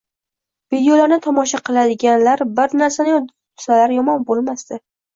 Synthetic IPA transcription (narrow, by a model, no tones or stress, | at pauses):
vid̪ejolaɾnɪt̪ʰɒmɒʃaqʰɨlˠad̪ɪɡʲanlaɾbɪɾnaɾsanɪ | salaɾjɒmɒnbolˠmast̪ɪ